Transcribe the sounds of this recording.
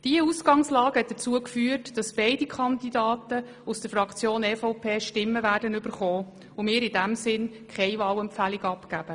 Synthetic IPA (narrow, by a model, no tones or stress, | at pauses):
d̥iəusɡɑŋslɑːɡhɛt̚d̥ət͡suəkfyːətd̥ɑsb̥ɛɪdikʰχɑndidɑːtə | usd̥əɾfɾɑkʰt͡sjoːnɛːfɔʊpʰeːʃtɪmːəvæːdənyb̥əɾχɔː | ʊmɪːɾɪdæmsɪn | kχɛɪvɑːwɛmpfæliɡɑpkæb̥ə